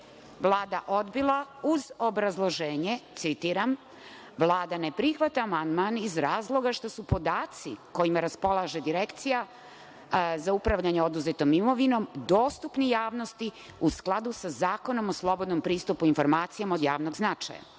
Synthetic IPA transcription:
ʋlˠaːd̪aʔo̞d̪bilˠauzo̞bɾazlˠo̞ʒeːɲet̪sit̪iɾam | ʋlˠaːd̪anepɾixʋat̪aːmand̪manizɾaːzlˠo̞ɡaʃt̪o̞supo̞d̪aːt̪siko̞imaɾaspo̞lˠaʒe̞d̪iɾekt̪sija | zaupɾaʋʎaɲeod̪uzet̪o̞mimo̞ʋino̞md̪o̞ːst̪upnijaːʋno̞st̪i | usklˠad̪usazaːko̞no̞moslˠo̞bo̞d̪nompɾiːst̪upuinfo̞ɾmaːt̪sijamao̞d̪jaːʋnoɡznat͡ʃa̰ja̰

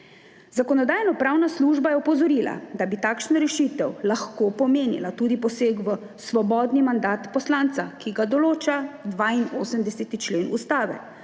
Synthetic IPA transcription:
zakɔnɔd̪aːjnɔpɾaːwnasluːʒbajɛɔpɔzɔɾiːla̰d̪abit̪aːkʃnaɾɛʃit̪ɛwlaxkoːpɔmeːnḭlat̪uːd̪ipɔseːɡʋə | sʋɔbɔːd̪nimand̪aːt̪pɔslant̪sakiɡad̪ɔloːt͡ʃad̪ʋaːinoːsəmd̪ɛset̪it͡ʃleːnṵst̪aːʋɛ̰

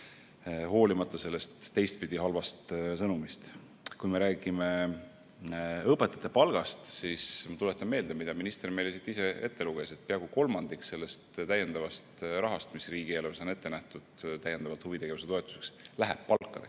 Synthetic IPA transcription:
ho̞ːlimɑt̪ːˑɑse̞lːe̞st̪ːe̞jst̪̚pid̪̥ʲiɦɑlvɑst̪sɤnumist̪ | kujme̞ɾæːɡ̥ime̞ | ɤpːˑe̞t̪ːˑɑ̥t̪ːˑe̞pɑlɡ̥ɑst̪siːsmɑt̪ulet̪ːˑɑnme̞ːld̪emid̪̥ɑminist̪ermejlesit̪ːˑise̞e̞t̪ːe̞luɡ̥e̞se̞t̪̚ːpiɑɡuko̞lmɑnd̪̥ikse̞lːe̞st̪t̪æje̞nd̪ɑvɑst̪rɑɦɑst̪misriːɡ̥ielvsone̞t̪ːˑe̞næht̪ud̪̥t̪æjːend̪ɑvɑlt̪huvit̪e̞ɡe̞vuse̞t̪o̞et̪ːˑu̥se̞kslæɦeb̥̚pɑkːˑɑd̪e

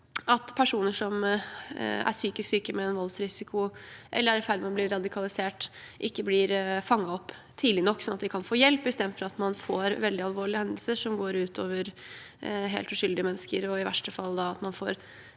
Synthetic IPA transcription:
ɑt̪pʰæʂuːnəʂɔm | æ̰ʂyːkɪsksyːkəmɛːnʋɔlsɾɪsɪkʰʊʔɛ̰lːəɾæɖɛfæɪlmɑnblɪɾːɑd̪ɪkʰɑlɪseːʈʔɪkːəblɪɾfɑŋːɑɔpː | t̪ʰiːd̪lɪnɔkːsɔnɑt̪̚d̪ɪkʰɑnfoːjɛlpɪst̪ɛd̪fɔɾɑt̪mɑnfoːɾʋɛld̪ɪɑlʋoːɭɪhɛnd̪l̩səʂɔmɡoːɾʉːt̪ʰoːʋəɾ | ɦḛːlt̪ʉʂʏld̪ɪəmɛnːskəɾɔɪʋæ̰ʂʈəfɑlːd̪ɑɑt̪mɑnfo̰ːɾ

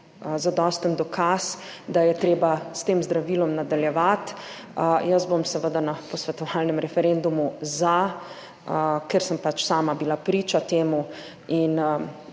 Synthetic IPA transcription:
zad̪ɔːst̪ənd̪ɔkʰasd̪ajɛt̪ɾeːbast̪eːmzd̪ɾaʋiːlɔmnad̪aljɛʋat̪ | jəszbomsɛʋəd̪anapɔsʋɛt̪ɔʋalnɛmɾɛfɛɾend̪umuza | kɛɾsəmpat͡ʃsaːmabilapɾiːt͡ʃat̪eːmu | in

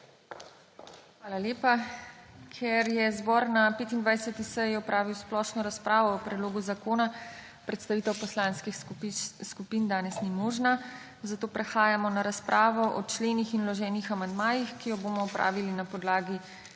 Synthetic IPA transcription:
xʋaːlaljeːpa | kʰjɛɾjɛzbɔɾnapeːt̪ind̪ʋajsɛt̪isɛjiɔpɾaːʋiwsplɔʃnɔɾaspɾaːʋɔːpɾɛd̪loːɡuzakoːna | pɾɛt̪st̪aʋiːt̪ɛwpɔslaːnskixskupiːnd̪aːnɛsnimoːʒna | zat̪oːpɾɛxaːjamɔnaɾaspɾʔaːʋɔʔɔt͡ʃleːnixinlɔʒɛːnixamand̪maːjixkijɔboːmɔɔpɾʔa̰ːʋilinapɔd̪laːɡi

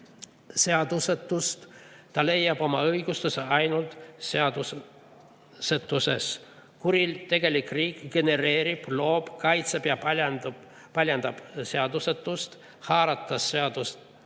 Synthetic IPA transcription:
seɑd̪̥uset̪ˑːust̪t̪ɑle̞jːɑb̥o̞mɑɤjɡust̪useɑjnult̪seɑd̪u | set̪ːˑuses | kuɾilt̪e̞ɡ̥e̞likriːkɡ̥e̞ne̞ɾe̞ːɾib̥lo̞ːb̥kɑjt̪seb̥jɑ | pɑlʲjɑnd̪̥ɑb̥seɑd̪uset̪ːˑust̪ | hɑːɾɑt̪ːˑɑsːeɑd̪̥ust̪

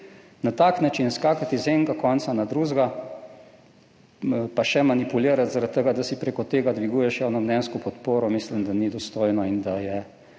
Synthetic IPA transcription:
nat̪aːknat͡ʃinskaːkat̪izeŋkakɔnt̪sanad̪ɾuːʒɡa | paʃɛmanipuliːɾat̪zaɾat̪ːəɡad̪asipɾekɔt̪eːɡad̪ʋiɡuːjɛʃjawnɔmnɛːnskɔpɔt̪poːɾɔmislimd̪anid̪ɔst̪oːjnɔind̪ajɛ

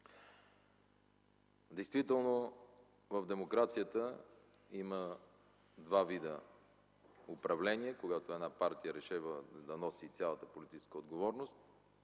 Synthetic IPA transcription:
d̪ɛjst̪vit̪ɛlˠno | vəvd̪ɛmokɾat̪sijət̪ə | imə | d̪vavid̪ə | ʊpɾɐvlɛniɛkoɡat̪oɛd̪napaɾt̪ijəɾɛʃɛvəd̪ɐnɔsit̪sʲalˠət̪əpolit̪it͡ʃɛ̥skəod̪ɡovɔɾnost̪̚

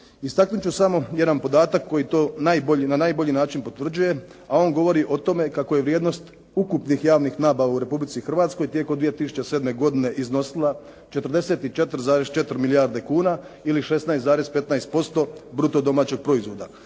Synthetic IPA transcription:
ist̪aknut͡ɕusamo̞je̞d̪anpo̞d̪aːt̪akʰːo̞jit̪oːnajboʎinanajbo̞ʎinaːt͡ʃinpo̞t̪ʋr̩d͡ʑuje̞ | ao̞ːŋɡo̞ʋo̞ɾiʔo̞t̪o̞me̞kako̞je̞ʋɾjeːd̪no̞st̪ | ukupnixjaːʋnixnaːbaʋauɾe̞publit̪sixr̩ʋaːt̪sko̞jt̪je̞komd̪ʋije̞t̪isu̥t͡ɕesed̪me̞ɡo̞d̪ine̞ʔizno̞silˠa | t͡ʃet̪ɾrd̪e̞se̞ːt̪it͡ʃe̞t̪ɾ̩zaːɾest͡ʃe̞t̪ɾmilijaɾd̪e̞kuːna | iliʃe̞st̪naest̪aːɾespe̞t̪naest̪̚po̞st̪o̞bɾut̪o̞d̪o̞maːt͡ɕe̞ɡ̚pɾo̞izʋo̞d̪a

